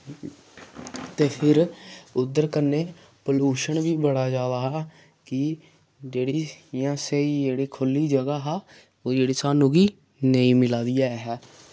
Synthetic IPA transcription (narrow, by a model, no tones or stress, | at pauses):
t̪eːpʰɪɾʊd̪ːəɾkənːeː | pəluːʃənʋiːbəɽaːd͡ʒaːd̪aːɦɛː | kɪ | d͡ʒeːɽiːjãːseiːd͡ʒeːɽiːkʰʊlːiːd͡ʒəɡaːɦaː | oːd͡ʒeːɽiːsaːnũːɡiː | nəĩːmɪlaːd̪ijaːɛɦɛː